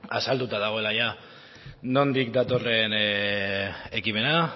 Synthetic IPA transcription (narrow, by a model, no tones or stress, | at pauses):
asald̪ut̪aðaɣ̞o̞e̞laja | no̞nd̪ikd̪at̪o̞re̞n | e̞kime̞na